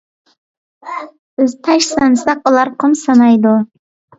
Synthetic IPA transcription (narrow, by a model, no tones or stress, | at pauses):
ɪzt̪ʰaʃsansaq̚ʊlˠɑɾqʰɨmsanɑjd̪ʊ